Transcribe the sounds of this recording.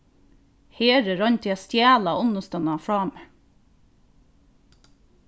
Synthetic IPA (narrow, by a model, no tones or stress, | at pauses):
heːɾəɾɑɲt̪ʰːɑst̪jæːlɑʊnəst̪œnɑfɹɑːme